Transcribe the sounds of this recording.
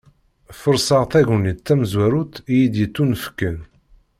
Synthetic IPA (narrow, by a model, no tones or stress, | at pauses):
fəɾsɑʁθæʝənit̪ːæmzwæɾut̪jid̪jət͡s̪ːunəfə̥kːən